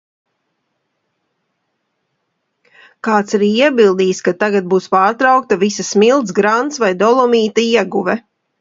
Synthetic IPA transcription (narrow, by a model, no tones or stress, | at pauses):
kaːt̪saɾiːiɛbilˠd̪iːskat̪aɡat̪̚buːspaːɾt̪ɾawk̚t̪ɐvisɐsmilˠt̪sɡɾant̪svajd̪ɔlˠɔmiːt̪aiɛɡuvɛ